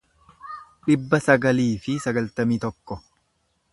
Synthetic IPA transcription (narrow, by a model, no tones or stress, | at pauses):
ᶑɪbːɐsɐɡɐliːfɪsɐɡɐlt̪ɐmiːt̪ɔkːɔ